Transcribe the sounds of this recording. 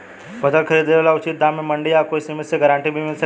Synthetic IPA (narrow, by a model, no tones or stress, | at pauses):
bəd̪əlkʰəɾiːd̪eelaut͡ʃit̪̚d̪amːeməɳɖijakojsimiseɡəɾãɳʈibʱimilsʰə